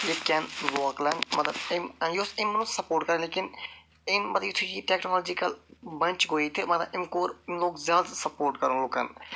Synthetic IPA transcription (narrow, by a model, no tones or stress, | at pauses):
jekɛnʋɔːklənmɐt̪ləbɪmjsɪmənũsəpoːɾʈkəɾẽleːkɪn | ɪmːɐt̪əɪt̪ʰud͡ʒiːʈɛːknoːlːd͡ʒikəlbə̃nt͡ʃɡoːit̪emɐt̪ləɪmkoːɾɪmloːkzjaːd̪səpoːɾʈkəɾõːloːkə̰n